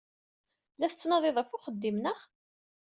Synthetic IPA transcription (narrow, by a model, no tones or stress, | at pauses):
læθət͡sːnɑðˤeðˤəfʊχəd̪ːimnəχ